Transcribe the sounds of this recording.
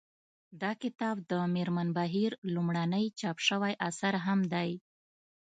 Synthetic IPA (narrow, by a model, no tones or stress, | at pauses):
d̪ɑkɪt̪ɑbd̪əmɪɾmanbaɦiɾlumɽanəjt͡ʃɑpʃəwajʔasaɾɦamd̪aj